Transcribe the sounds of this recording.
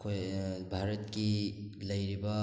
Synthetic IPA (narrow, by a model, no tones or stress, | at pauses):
kʰojbʱaɾɐt̚kilɐjɾibɐ